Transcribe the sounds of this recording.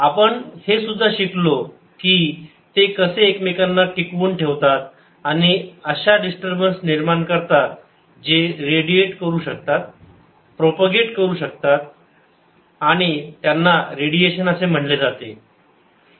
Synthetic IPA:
apəɳhesud̪ʱːaɕiklo | kiː | t̪ekəseːkmekanːaʈikʋuːɳʈʰeʋt̪at̪ | aɽ̃iəɕaɖisʈəɾbənsniɾmaɳkəɾt̪at̪̚ | d͡ʑeɾeɽieʈkəɾuːɕək̚t̪at̪̚ | pɾopaɡeʈkəɾuːɕəkt̪at̪̚ | aɽ̃it̪janːaɾeɽieɕənəsem̤əɳled͡zat̪e

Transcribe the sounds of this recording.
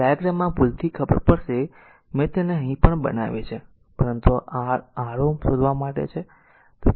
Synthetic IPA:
ajəɡɾamãpult̪ʰikʰəbə̰ɾpəɾʃe | mẽt̪eneɦə̃ɦĩpəɳbə̰na̰ʋet͡ʃʰe | pəɾənt̪uaaɾomsod̪ʋamaʈḛt͡ʃʰe | t̪

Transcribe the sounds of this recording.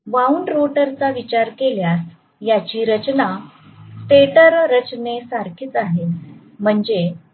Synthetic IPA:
ʋauɳɖɾoʈəɾt͡saʋit͡ɕaɾkeljas | jat͡ɕiːɾət͡ɕna | t̪eʈəɾɾət͡ɕnesaɾkʰiːt͡saɦet̪ | m̤əɳd͡ze

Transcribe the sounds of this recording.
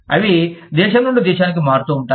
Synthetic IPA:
ɐʋid̪ɛːʃɐmnuɳɖid̪iːʃaːnik̬imaːɾt̪uːɳʈa

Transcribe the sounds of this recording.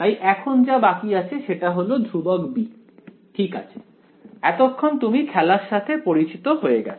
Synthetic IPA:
t̪ajʔɛkʰond͡ʑabakiat͡ɕʰeʃeʈaɦolod̪ʱubɔkbi | ʈʰika̰t͡ɕʰe̥ | ɛt̪okʰːont̪umikʰɛlaɾʃat̪ʰepoɾit͡ɕit̪oɦoeɡɛ̰

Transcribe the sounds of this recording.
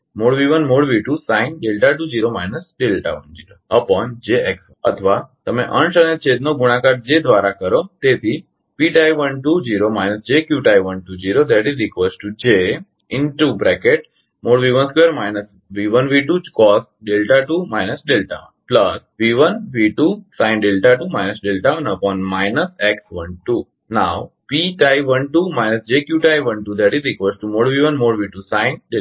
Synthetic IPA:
moɽʋiʋənmoɽʋiʈusãĩnɖelʈaʈud͡ʑiɾomajnəsɖelʈa̰ʋənd͡ʒiɾoəpɔnd͡ʒeeks | ə̰t̪ʰʋat̪əmẽʔə̃ɳsənet͡ʃʰed̪noɡuɽ̃ãkaɾʈ̚d͡ʒed̪ʱʋaɾakəɾot̪et̪ʰi | piʈajʋənʈud͡ʑiɾomajnəsd͡ʒekjuʈajʋənʈud͡ʑiɾod̪ɛʈizɾikʋesʈʈud͡ʒe | ɪnʈubɾɛkeʈ̚ | moːɽʋiʋə̃nskʋeəɾmaɪnəs | ʋiʋənʋiʈukɔːsʈɖelʈaʈumaɪnəsɖelʈa̰ | plɐsʋiʋə̃nʋiʈusãɪ̃nɖelʈaʈumaɪnəsɖelʈaɐ̃nəpɔ̃ːnmaɪnəseksʋɐ̃nʈu | naw | piʈajʋɐ̃nʈuːmaɪnəsd͡ʒekjuʈajʋɐ̃ɳʈud̪ɛʈizɾikʋesʈʈumoːɽʋiʋə̃nmoːɽʋiʈusãɪ̃nɖe

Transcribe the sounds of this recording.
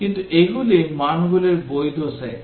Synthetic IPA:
kintuʔeɡulimanɡuleɹbojduasɛ

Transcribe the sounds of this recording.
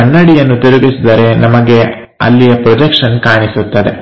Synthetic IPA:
ɐɳːɐɽijɐnːut̪eɾuɡisid̪ɐɾe̞nɐmɐɡe̞ | ɐ̰lːijɐpɾɔd͡ʒekʂɐnkaːɳisut̪ːɐd̪e̞̰

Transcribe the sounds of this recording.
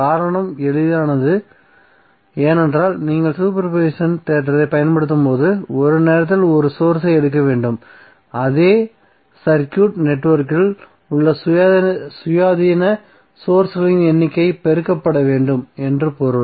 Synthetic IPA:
kaːɾɐɳɐmɛɭɪðaːnɐðɯ | eːnɛndraːlniːŋɡɐɭsuːp̬ɐɾpeːʂɐnt̪eːʈɾɐðɐɪpːɐjɐnpɐɽɯt̪̬ːɯmpoːðɯɔɾɯneːɾɐt̪̬ːɪlɔɾɯsoːɾsɐɪɛɽɯk̬ːɐʋeːɳɖɯm | ɐðeː | sɐɾkjuːʈnɛʈːʋɐɾkɪl | ʊɭːɐs | sʊjaːðinɐ | soːɾsɣɐɭɪnɛnːɪkːɐɪpɛɾɯkːɐpːɐɽɐʋeːɳɖɯmɛndrɯpoːɾɯ

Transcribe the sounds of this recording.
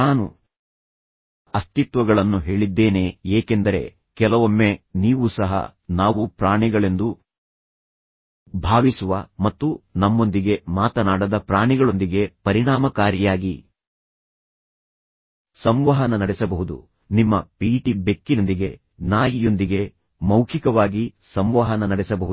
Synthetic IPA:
naːnṵ | ɐst̪it̪ʋɐɡɐɭɐnːuɦe̞ːɭid̪ːe̞ːneːeːkend̪ɐɾe̞̰ | kɛlɐʋomːe̞niːʋusɐɦɐ̰naːʋupɾaːɳiɡɐɭe̞nd̪u | bʱaːʋisuʋɐmɐt̪ːunɐmːo̞nd̪iɡe̞maːt̪ɐnaːɽɐd̪ɐpɾaːɳiɡɐɭo̞nd̪iɡe̞pɐɾiɽaːmɐkaːɾjɐjaːɡi | sɐmʋɐɦɐnɐnɐɽɛsɐbɐɦud̪ṵ | nimːɐpiːʈibe̞kːinɐnd̪iɡe̞ | naːjijo̞nd̪iɡe̞ | mɐwkʰikɐʋaːɡisɐmʋɐɦɐnɐnɐɽɛsɐbɐɦu

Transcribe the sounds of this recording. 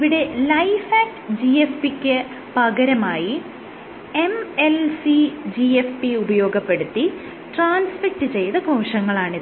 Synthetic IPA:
iʋiɽe̞lɐjfaːk̚ʈɨ̥d͡ʑiefpikʲːɨ | pɐɣɐɾɐmaːji | emelsid͡ʑiefpiubɐjo̞ːɡɐpːe̞ɽut̪ːi | ʈraːnspɐk̚ʈɨt͡ɕe̞jt̪ɐko̞ːʂɐŋːɐɭaːɳi

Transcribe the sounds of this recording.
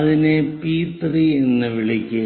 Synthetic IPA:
ɐðinepiːt̪rienːɨʋiɭikʲːɨ

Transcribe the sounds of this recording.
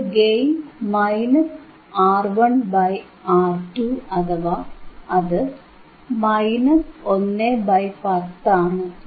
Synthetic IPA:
ɡejmmɐjnɐs | aːrʋɐɳbɐj | aːrʈuɐt̪ɐʋɐɐðɨ | mɐjnɐsonːebɐjpɐt̪ːaːɳɨ

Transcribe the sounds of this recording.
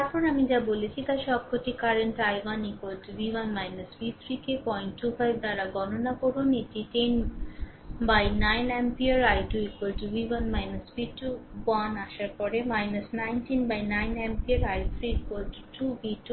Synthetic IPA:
t̪aɾpɔɾamid͡ʒabolet͡ɕʰit̪aʃɔb̚kʰot̪ikaɾenʈajwanikwaltubiwanmajnəsbit̪ʰɾikepɔjnʈːufajbʱd̪aɾaɡɔnonakoɾuneʈiʈen | bajnajnɛmpiəɾajʈuikwalʈubiwanmajnɐsbituwanaʃaɾpɔɾemajnɐsnajntinbajnajnɛmpiaɾajt̪ʰɾikwoltu̥ʈubitu

